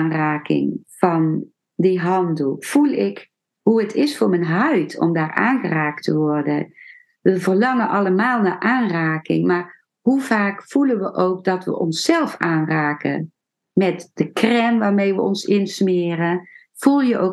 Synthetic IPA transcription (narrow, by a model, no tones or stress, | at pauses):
nraːkɪ̰ŋv̥ɑn | diɦɑndəlˠv̥ulˠɪk | ɦuətʰɪsfʊːɹmənɦœɥtʰɔ̰mdaːɹrʔa̰ːnχəraːk̚tʰəʋɔrdə | ʋəvərlɑŋənʔɑlˠəmaːlˠnaːʔaːnraːkɪ̰ŋmaːr | huv̥aːkfulənʋəʔowk̚dɑtʋə̰ʔɔnsːɛlˠfaːnraːkə̰ | mɛtd̥əkrɛmʋaːɹmejʋəɔ̰nsɪnsmɪːrə | v̥ulˠjəʔo